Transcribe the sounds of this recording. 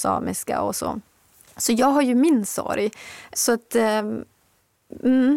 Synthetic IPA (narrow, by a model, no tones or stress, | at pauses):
sɑ̰ːmɪska̰ɔsɔ̰ | sɔjɑːɡɦaɾjʉmɪnsɔ̰ɾjsɔat̪